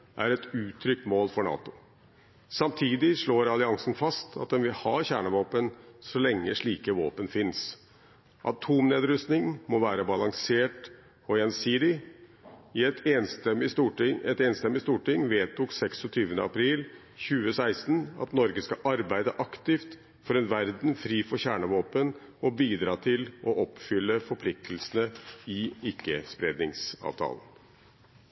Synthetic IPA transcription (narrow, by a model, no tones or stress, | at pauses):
ʔæ̰ɾɛt̪ʉːt̪ʰɾʏk̚t̪moːlfɔɳɑ̰ːt̪ʊ | sɑmt̪ʰiːd̪ɪʂɭoːɾɑlɪɑŋsn̩fɑst̪ʰɑt̪̚d̪ɛnʋɪlhɑːçæːɳəʋoːpənsɔlɛŋːəʂɭiːkəʋo̰ːpənfɪns | ʔɑt̪ʰuːmneːd̪ɾʉst̪nɪŋmɔʋæːɾəbɑlɑŋseːʈ | ɔɛnsiːd̪ɪ | ɪɛt̪enst̪ɛmɪst̪uːʈɪŋɛt̪eːnst̪ɛmːɪst̪uːʈɪŋːʋeːt̪uːksɛksɔt̪ʰyːʋənə̰ɑpʰɾiːl | çʉːəsæɪst̪n̩ɑ̰t̪nɔɾɡəskɑʔɑɾbæɪd̪əʔɑkt̪ɪft̪ | fɔɾɛnʋæɾd̪n̩fɾiːfɔçæːɳəʋoːpənɔbiːd̪ɾɑːt̪ʰɪlʔɔʔɔpːfʏlːəfɔɾpʰlɪk̚t̪ʰəlsənəɪɪkːəspɾeːd̪nɪŋsɑ̰ːʋt̪ʰɑ̰ːlən